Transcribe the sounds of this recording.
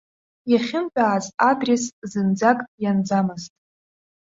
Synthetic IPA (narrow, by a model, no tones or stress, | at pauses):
jaχʲɪnpʼaːzadreszɨnd͡zakʼjand͡zamɨztʼ